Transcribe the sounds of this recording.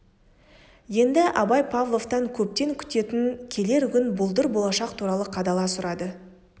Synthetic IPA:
je̞nd̪ɪʔɑbɑjpʰavlˠo̞vt̪ɑŋkʲʰɵp̚t̪e̞ŋkʲʰʏ̥t̪e̞t̪ɪŋkʲʰe̞le̞ɾɡʲʏnbʊlˠd̪əɾbo̞lˠɑʃɑqt̪ʰuɾɑlˠəqʰɑd̪ɑlˠɑsʊɾɑd̪ə

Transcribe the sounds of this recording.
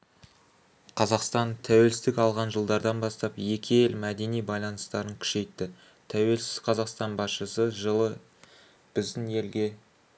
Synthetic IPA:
qʰɑzɑqst̪ɑnt̪ʰæwe̞lsɪsd̪ɪkɑlˠʁɑnʒəlˠd̪ɑɾd̪ɑnbɑst̪ɑpje̞kʲejelmæd̪e̞nijbɑjlˠɑnəst̪ɑɾəŋkʲʰʏ̥ʃe̞jt̪ːɪ | t̪ʰæwe̞lsɪzqʰɑzɑqst̪ɑnbɑsʃəsəʒəlˠə | b̥ɪzd̪ɪne̞lɡʲe̞

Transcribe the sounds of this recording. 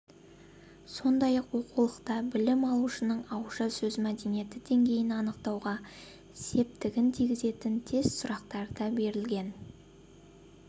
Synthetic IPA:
so̞nd̪ɑjɑqwo̞qulˠəqt̪ɑbɪlɪmɑlˠuʃənəɴɑwʒɑsɵzmæd̪e̞nije̞t̪ɪd̪e̞ŋɡʲe̞jɪnɑnəqt̪ɑwʁɑ | se̞p̚t̪ɪɡʲɪnt̪ʰiɡʲɪze̞t̪ɪnt̪ʰe̞zsʊɾɑqt̪ɑɾəd̪̥ɑbe̞ɾɪlɡʲe̞n

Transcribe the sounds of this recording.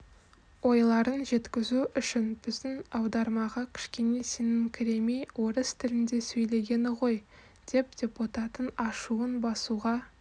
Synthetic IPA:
wo̞jlˠɑɾənʒe̞t̪kʲɪzuʏʃɪnb̥ɪzd̪ɪŋɑwd̪ɑɾmɑʁɑkʲʰɪ̥ʃkʲe̞ne̞se̞nɪŋkʲʰɪɾe̞mejwʔo̞ɾəst̪ʰɪlɪnd̪e̞sɵjle̞ɡʲe̞nɪʁo̞j | d̪̥e̞p̚d̪̥ʲe̞put̪ɑt̪ənɑʃuənbɑsuʁɑ

